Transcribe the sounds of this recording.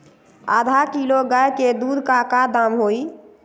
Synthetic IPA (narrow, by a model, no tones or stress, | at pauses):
ad̪ʱakiloɡajked̪ud̪ʱkakad̪amɦoi